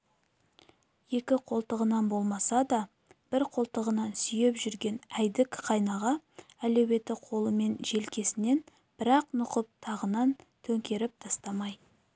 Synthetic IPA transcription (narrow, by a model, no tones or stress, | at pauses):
je̞kʲɪqʰo̞lˠt̪əʁənɑnbo̞lˠmɑsɑd̪ɑ | b̥ɪɾqʰo̞lˠt̪əʁənɑnsʏje̞pʒʏɾɡʲe̞næjd̪ɪkqʰɑjnɑʁɑælewe̞t̪ɪqʰo̞lˠəme̞nʒe̞lkʲe̞sɪne̞n | b̥ɪɾɑqnʊqəp̚t̪ʰɑʁənɑn | t̪ʰɵŋkʲe̞ɾɪp̚t̪ʰɑst̪ɑmɑj